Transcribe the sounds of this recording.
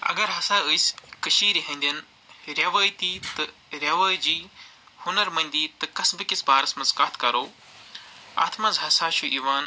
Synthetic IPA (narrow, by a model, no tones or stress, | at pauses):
ɐ̰ɡɐɾɦɐsaːəːjskəʃiːɾiɦɐ̃nʲd̪ʲɐn | ɾjɐʋaːjt̪iːt̪ɨɾʲjɐʋaːjd͡ʒiːhunɐɾmɐnʲd̪iːt̪ɨkɐsbɨkisbaːɾɐsmɐzkaːt̪ʰkɐɾoː | a̰ːt̪ʰmɐzɦɐsaːʃʰuʔiːʋaːn